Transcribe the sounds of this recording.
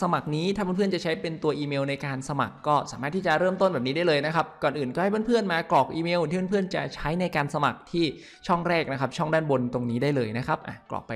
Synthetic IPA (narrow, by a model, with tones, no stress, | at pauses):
sa˧ma˨˩k̚niː˦˥t̪ʰaː˥˩˦pʰɯ˥˩ənt͡ɕa˨˩t͡ɕʰa˦˥jpe˧nt̪u˧ɐʔiː˧meː˧wna˧jkaː˧nsa˧ma̰˨˩kːɔː˥˩saː˨˦maː˥˩t̪ʰːiː˥˩t͡ɕa˨˩ɾɤː˥˩mt̪o˥˩nbɛː˨˩p̚niː˦˥da˥˩lɤː˧jna˦˥kʰa˦˥p̚kɔː˨˩nʔɯː˨˩nkɔ˥˩ha˥˩pʰːnpʰɯ˥˩ənmaː˧klɔː˨˩k̚ʔiː˧meː˧w̪ʰiː˥˩˧pʰɯ˥˩ənt͡ɕa̰˨˩t͡ɕʰa˦˥jna˧jkaː˧nsa˧ma̰˨˩k̚t̪ʰiː˥˩ | t͡ɕʰɔ˥˩ŋɾɛː˥˩k̚na˦˥kʰa˦˥p̚t͡ɕʰɔ˥˩ŋdaː˥˩nbo˧nt̪o˧ŋniː˦˥daː˥˩jlɤː˧jna˦˥kʰa˦˥p̚ʔa̰˨˩klɔ̰ː˨˩k̚pa˧